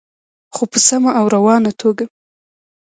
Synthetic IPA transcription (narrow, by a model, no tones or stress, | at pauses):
xopəsamaʔːwɾawɑnat̪ʰoɡa